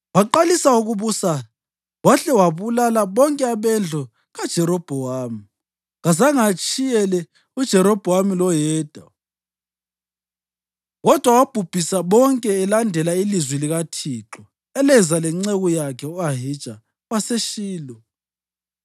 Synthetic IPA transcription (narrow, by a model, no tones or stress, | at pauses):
waǃalisauɣuβusa | waɬɛwaβulalaβɔŋkʼɛaβɛnd͡ɮʱɔ | ɣad̥ʒ̥ʱɛɾɔb̥ʱɔwaːmi | ɣazaŋat͡ʃʼijɛlɛ | ud̥ʒ̥ʱɛɾɔb̥ʱɔwamilɔjɛːd̥ʱa̰ | ɣɔd̥ʱwawab̥ʱub̥ʱisaβɔŋkʼɛːlandʱɛlailizwiliɣatʰiːǁɔ | ɛlɛzalɛŋ͡ǀeɣujakʰɛuaɦid̥ʒ̥ʱa | waseʃiːlɔ